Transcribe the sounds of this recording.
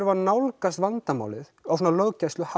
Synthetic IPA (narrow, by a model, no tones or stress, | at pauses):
ɾvanawlkast̪vant̪ama̰ːwlɪθawsɔnalœːɣcajst̪ʏha